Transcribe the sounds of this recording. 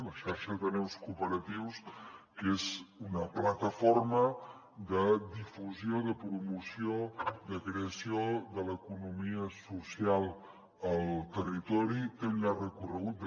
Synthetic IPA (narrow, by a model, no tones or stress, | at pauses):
ləʃaɾʃəðənɛwskupəɾət̪iwskezunəplət̪əformə | d̪əd̪ifuzioðəpɾumusioðəkɾeəsioðələkunumiəsusialˠ | əlˠt̪ərit̪ɔɾikenarəkurəɣ̞ut̪̚d̪